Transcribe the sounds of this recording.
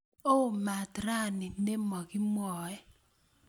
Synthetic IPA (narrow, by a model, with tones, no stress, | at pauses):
o˦˨ma˨tɾa˦˨nɪ˨ne˦mɔ˨ɡɪ˦mwɔ˨ɛ˦